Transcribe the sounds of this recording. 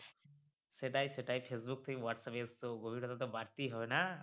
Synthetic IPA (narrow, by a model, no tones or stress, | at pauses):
seʈajseʈajpʰesbuk̚t̪ʰeĩʋaʈsapest̪oɡobʱiɾɔt̪at̪ɔbaɾt̪iɦɔbena